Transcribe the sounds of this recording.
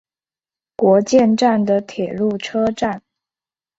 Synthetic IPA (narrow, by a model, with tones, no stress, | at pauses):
kwɔ˧˥t͡ɕjɛ˥˧nʈ͡ʂa˥˩nd̪ə˩t̪ʰjɛ˨˩lu˥˩ʈ͡ʂʰɤ˥ʈ͡ʂa˥˩n